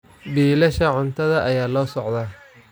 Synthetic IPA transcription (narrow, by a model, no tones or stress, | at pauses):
biːlɐʃɐʕʊnt̪ʰɐðɐʔɐjaːlɔːsɔʕd̪aː